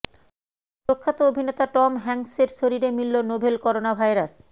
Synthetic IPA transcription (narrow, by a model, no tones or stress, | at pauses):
pɾokʰːat̪oobʱinet̪aʈɔmɦɛŋseɾʃoɾiɾemilːonobʱelkɔɾonabʱajɾas